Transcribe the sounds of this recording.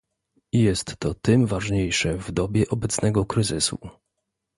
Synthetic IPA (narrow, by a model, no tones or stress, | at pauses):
ijɛst̪ːɔt̪ɘmvaʐɲejʂɛvd̪ɔbʲjɛʔɔbɛt̪snɛɡɔkɾɘzɘsṵ